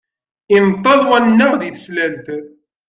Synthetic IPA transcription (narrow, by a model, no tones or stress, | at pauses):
imt̪ˤːɑðˤwænːæʁðiθslælt̪